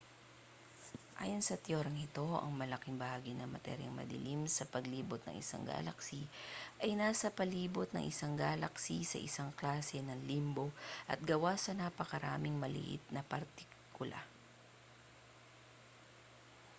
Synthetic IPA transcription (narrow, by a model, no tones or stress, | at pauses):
ʔa̰ːjonsɐt̪joːɾɐŋɪt̪o̞ʔɐ̰ŋmɐlɐkiŋbɐhaːɡɪnɐmɐ̰t̪ɛ̰ɾjɐ̰ŋmɐ̰d̪ɪ̰limsɐpɐɡliːbot̪̚nɐ̰ŋʔɪ̰sa̰ŋɡa̰ːlɐksiʔɐjnaːsɐpɐliːbot̪̚nɐ̰ŋʔɪsaŋɡaːlɐksisɐ̰ʔɪsaŋklaːsɛnɐŋlimbo̞ʔɐt̪̚ɡɐwasɐnɐpɐkɐɾaːmɪŋmɐlɪ̰ʔɪ̰t̪̚nɐpɐɾt̪ɪ | kʰʊlʔa̰